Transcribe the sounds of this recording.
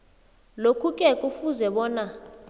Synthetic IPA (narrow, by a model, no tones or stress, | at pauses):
lokʰukʼɛkʼufuzɛɓɔːna